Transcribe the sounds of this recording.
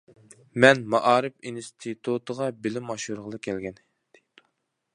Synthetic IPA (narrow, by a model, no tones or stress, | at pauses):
mɛnmɑʔɑːɾɨfinst̪ʰɨt̪ʰut̪ʰəʁɑbɪlɪmɑʃuɾʁəlˠɨkʲʰɛlɡʲɛn | d̪̥ejd̪̥u̥